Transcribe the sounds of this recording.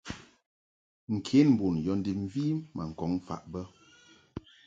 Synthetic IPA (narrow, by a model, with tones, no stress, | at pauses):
ŋ̩˨kʰe˨˦nm̩˨bo˨njɔ˨˦n˦di˨m̩˦viː˦ma˨ŋ̩˨kɔ˨˦ŋ˨fa̰˦˨ʔbə˦